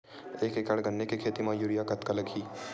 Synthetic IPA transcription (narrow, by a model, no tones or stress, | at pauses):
eːkekaɽɡɐnːekekʰeːt̪imãjuːɾijakɐt̪kalɐɡʰʱiː